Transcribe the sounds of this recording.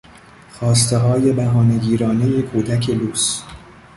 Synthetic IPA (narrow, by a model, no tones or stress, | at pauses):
xɒːs̬t̪e̞ɦɒːje̞bæɦɒːne̞ɡiːɾɒːne̞jekʰuːd̪ækʰe̞luːs